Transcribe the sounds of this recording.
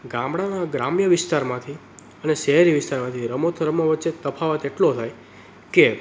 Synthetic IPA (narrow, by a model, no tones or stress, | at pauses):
ɡãmɽanaɡɾamjəʋɪst̪aɾmãt̪ʰi | əneʃɛɦəɾiʋɪst̪aɾmãt̪ʰiɾəmot̪ʰəɾəmːãʋətːʃet̪əpʰaʋət̪eʈlot̪ʰaj | ke